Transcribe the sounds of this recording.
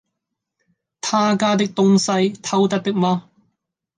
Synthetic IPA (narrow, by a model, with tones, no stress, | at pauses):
t̪ʰaː˥kaː˧t̪ɪ˥k̚t̪ʊ˥ŋsɐ˧jt̪ʰɐ˧wt̪̬ɐ˥t̚t̪ɪ˥k̚maː˧